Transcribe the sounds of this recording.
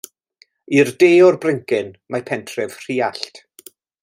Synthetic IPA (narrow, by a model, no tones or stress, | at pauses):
irdeːɔrbrɪŋkɪnmapʰɛntʰrɛv̥r̥iːaɬt